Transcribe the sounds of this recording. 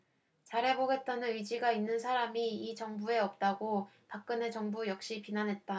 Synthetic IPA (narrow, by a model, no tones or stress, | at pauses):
t͡ɕaɾɦe̞boɡe̞t̚t͈anɯnɥid͡ʑiɡainːɯnsʰaɾamiːt͡ɕʌŋbue̞ʌp̚t͈aɡopak̚k͈ɯne̞t͡ɕʌŋbujʌk̚ɕ͈ipinanɦe̞t̚t͈a